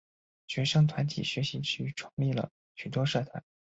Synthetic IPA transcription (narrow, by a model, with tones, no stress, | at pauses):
t͡ɕɥɛ˧˥ʂɤ˥ŋt̪ʰwa˧˥nt̪ʰḭ˨˩ɕɥɛ˧˥ɕi˧˥t͡ɕʰy˥˩ʈ͡ʂʰʊ˧˥ŋli˥˩lə̰˩ | t͡ɕʰy˨˩t̪wɔ˥ʂɤ˥˩t̪ʰa̰˧˥˦